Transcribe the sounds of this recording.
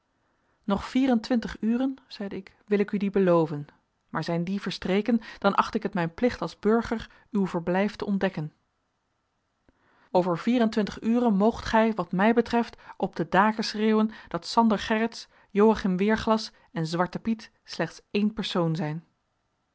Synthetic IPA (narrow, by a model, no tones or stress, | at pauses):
nɔχfiːrəntʋɪntəχyːrənz̥ɛjdəɪk | ʋɪlɪkydibəlowvən | maːɹzɛjndivəɹstrejkənd̥ɑnʔɑ̰χtɪkɦətmɛjnplɪχtɑlˠzbɵɹχəɹ | ywvəɹblɛjftəɔndɛkən | owvəɹv̥iːrəntʋɪntəχyːrənmowχtχɛjʋɑtmɛjbətrɛftʔɔb̚dədaːkəsreːwənd̥ɑtsɑndəɹχɛrəts | jowaχɪmʋɪːɹχlɑs | ɛnzʋɑɹtəpit | slɛχtsejnpɛɹsownzɛjn